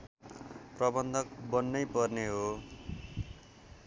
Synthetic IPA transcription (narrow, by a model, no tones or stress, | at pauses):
prʌbʌnd̪ʱʌk̚bʌnːʌjpʌrneɦo